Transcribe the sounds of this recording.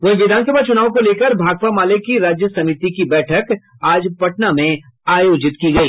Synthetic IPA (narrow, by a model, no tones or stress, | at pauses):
ʋɐɦĩʋɪd̪ʱaːns̬əbaːt͡ʃʊnaːʋõkoleːkəɾbʱaːɡ̚pamaːlekːiɾaːd͡ʒjəsɐmit̪ikibɛːʈʰək | aːd͡ʒpɐʈnamẽ | aːjoːd͡ʒɪt̪kiɡɐiː